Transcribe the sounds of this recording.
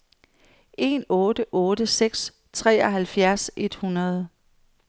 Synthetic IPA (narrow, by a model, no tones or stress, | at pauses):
ʔe̝nɔ̽ːdəʔɔːɾəseɡ̥s | t͡sʰʁɛ̰ːɒɦælfjæɐse̝d̥hunɐð̞ˠ